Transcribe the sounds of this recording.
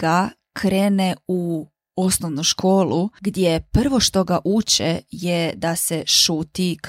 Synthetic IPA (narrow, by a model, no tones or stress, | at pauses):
ɡ̥a | kʰɾeːneu | o̞snoʋnuʃkʰoːlˠuɡd̪ʲjepr̩ʋo̞ʃt̪o̞ɡaʔuːt͡ʃḛjed̪aseʃuːt̪ik